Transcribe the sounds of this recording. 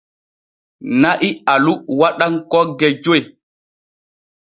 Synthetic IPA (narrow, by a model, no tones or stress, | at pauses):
naʔialuwaɗaŋkɔɡɛd͡ʒoj